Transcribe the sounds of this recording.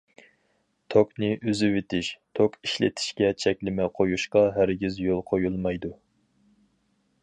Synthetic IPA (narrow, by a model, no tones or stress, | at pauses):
t̪ʰoknɪʔøzɪwet̪ʰɪʃt̪ʰokiʃlɪ̰t̪ʰɪ̥ʃkʲɛt͡ʃʰɛkʲlɪmɛqʰojuʃqɑɦæɾɡʲizjolˠqʰojulˠmɑjd̪u